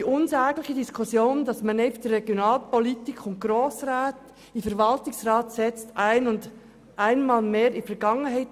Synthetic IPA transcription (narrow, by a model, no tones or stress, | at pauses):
d̥iʔʊnzɛːɡlɪçədiskʰʊsjoːnd̥ɑsmanɛfd̥irɛɡ̥jonɑːlpɔlitikʰʊnt̚ɡ̥ɾoːsɾaːt | ɪfɛɾvɑltɪŋsɾɑːtsɛt͡staɪnʊnd | ʔaɪnmɑːlmeːɾɪfɛɾɡɑŋənɦaɪt